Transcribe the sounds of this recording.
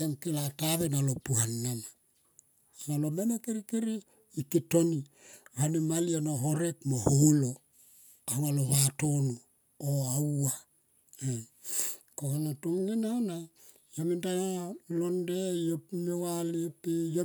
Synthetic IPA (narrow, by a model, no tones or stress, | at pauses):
eŋkilataβenalopuhanːana | salomenakiɾikiɾiː | kitoniβanimalianoɦoɾek̚moholo | ahoaloβatonu | oawa | e | kohanatuŋɡinaona | jamindajalondejopmewalipejo